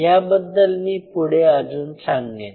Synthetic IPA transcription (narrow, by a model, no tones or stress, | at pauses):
jabəd̪ːəlmiːpuɽead͡zuːnt͡sʰaŋɡẽ